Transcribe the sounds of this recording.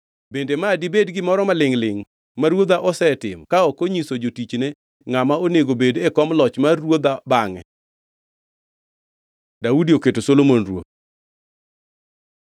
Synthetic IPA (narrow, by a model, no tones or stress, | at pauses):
bendemadibedɡɪmɔɾɔmalɪŋlɪŋ | maɾwod̪aʔɔsɛtɪ̰mkaɔkoɲisod͡ʒotit͡ʃne | ŋamaoneɡobedekɔmlɔt͡ʃmarwod̪abaŋɛ̰ | daudioketosolomonrwo̰t̪̚